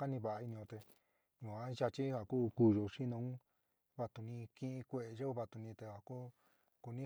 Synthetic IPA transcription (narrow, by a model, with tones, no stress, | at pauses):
ka˦nĩ˧βa˨ʔa˧i˧nĩ˧õ˧t̪e˧ | jũ˨a˧˦ʒa˧t͡ʃi˦ha˨kuː˦ku˦˨ʒo˧ʂi˦nõ˧˦ũ˦ | βa˧t̪u˧nĩ˧kĩ˦ĩ˧kʷe˧ʔe˧ʒe˦u˦βa˧t̪u˧nĩ˧t̪e˧ha˨ku˦ | ku˧nĩ˦